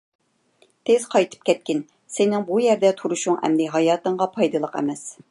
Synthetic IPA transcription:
t̪ʰɪz̥qʰɑjt̪ʰɨ̥p̚kʲʰɛt̪̚kʲɪn | sɪnɪŋbujɛɾd̪ɛt̪ʰuɾuʃuŋɛ̰md̪ɪɦɑjɑːt̪ɨŋʁɑpʰɑjd̪ɨlˠəqɛ̰mɛs

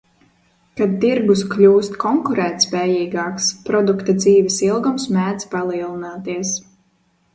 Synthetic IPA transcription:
kad̪̚t̪iɾɡusklʲuːst̪kʰɔŋkuɾɛːt̪spɛːjiːɡaːkspɾɔd̪ukt̪ad̪ziːvɛsilˠɡumsmæːd̪zpalˠiɛlˠinaːt̪iɛs

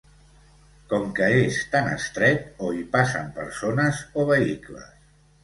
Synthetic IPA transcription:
kɔmkəest̪anə̰st̪ɾɛt̪oipasə̰mpəɾsonəzoβ̞əiklə̰s

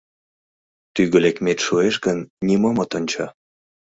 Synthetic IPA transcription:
t̪yɣə̆lekmet̪ʃueʃɡənnʲimomot̪onʲt͡ɕɑ

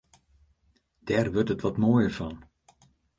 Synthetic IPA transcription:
d̥ɛrʋøɹtətʋɔtmoːjəɹvɔn

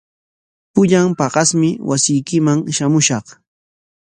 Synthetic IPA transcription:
pʊʎampɑɢɑsmɪwasɪjkɪmaŋʃamʊʃɑχ

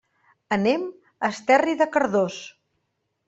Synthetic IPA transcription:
ənem | əst̪ɛriðəkəɾðos

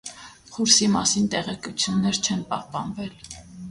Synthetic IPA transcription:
χuɾsimɑ̰sint̪ɛʁɛkut͡sʰjunːɛɾt͡ʃʰɛnpɑhpɑnvɛl

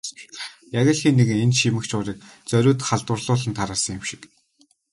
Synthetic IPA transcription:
jaɣʲə̆ɮxiːnːeɣɘ̆ŋenʃimɘ̆kt͡ɕʰʊːɾiːk̚t͡sœɾʲʊːt̪χaɮt̪wʊ̆rɮʊːɮə̆nt̪ʰaɾaːsə̆ŋjɪmʃɪ̥k

